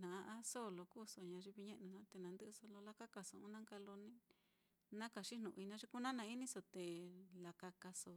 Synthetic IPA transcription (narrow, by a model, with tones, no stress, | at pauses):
nã˨˧ʔã˦so˦˨lo˧kuː˦˨so˨ɲã˧ʐi˧βi˧ɲẽ˦ʔnũ˧nã˧˦t̪e˧nã˨nd̪ɨ˦ʔso˧lo˧la˦ka˦ka˨so˨ũ˦nã˦ka˧lo˧nĩ˦ | nã˦ka˧˨ʂi˦nũ˨˧i˧nã˧˦ʐi˧ku˦nã˦nã˧˦i˦nĩ˦so˧t̪e˨la˨ka˧ka˧so˨